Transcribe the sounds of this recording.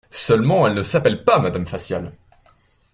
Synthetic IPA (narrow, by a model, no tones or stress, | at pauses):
sœlmɑ̃ɛlnəsapɛlpamad̪amfasjal